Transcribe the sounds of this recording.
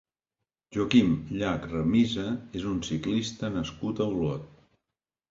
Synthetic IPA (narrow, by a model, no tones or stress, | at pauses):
ʒokimʎakrəmizəezunsiklist̪ənəskut̪əwlɔt̪